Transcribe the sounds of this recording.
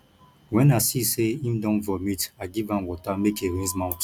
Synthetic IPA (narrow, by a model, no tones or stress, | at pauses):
wɛ̃nasiseĩmdɔ̃nvɔmitaɡivãnwɔtamekeɹĩnzmãw̃nt